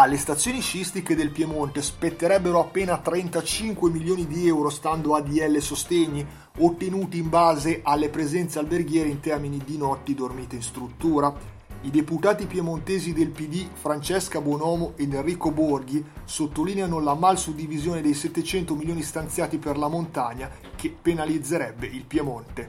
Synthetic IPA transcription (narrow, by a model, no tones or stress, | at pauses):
alːest̪at̪sːjoːniʃist̪iked̪elpjemont̪espet̪ːeɾɛbːeɾoapːeːnat̪ɾɛnt̪at͡ʃiŋkwemilːjoːnid̪iɛwɾost̪and̪oad̪iɛlːesost̪ɛɲːi | ot̪ːenuːt̪iːmbaːzeʔalːepɾezɛnt̪sealberɡjɛːɾeint̪ɛrminid̪inɔt̪ːid̪ormiːt̪einst̪ɾut̪ːuːɾa | id̪eput̪aːt̪ipjemont̪eːzid̪elpid̪ifɾant͡ʃɛskabwɔnɔːmoʔed̪erːiːkoborɡisot̪ːolineanolamalsud̪ːivizjoːned̪ejsɛt̪ːet͡ʃɛnt̪omiljoːnist̪ant̪sjaːt̪iperlamont̪aɲːa | kʰepːenalid̪zːeɾɛbːeilpjemont̪e